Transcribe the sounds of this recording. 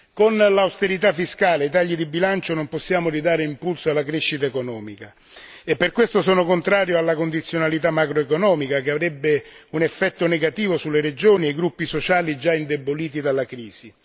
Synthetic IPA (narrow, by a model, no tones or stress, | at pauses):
konlawst̪eɾit̪afːiskaːlejt̪aʎːid̪ibilant͡ʃonomposːjaːmoɾid̪aːɾeimpulsoalːakɾeʃːit̪aekonɔːmika | epːerkwest̪osɔːnokont̪ɾaːɾjoalːakond̪it̪sːjonalit̪amːakɾoekonɔːmikakeavɾɛbːeunɛfːɛt̪ːʊneɡat̪iːvosulːeɾed͡ʒoːniejɡɾupːisot͡ʃaːlid͡ʒaind̪eboliːt̪̬id̪alakɾiːz̥i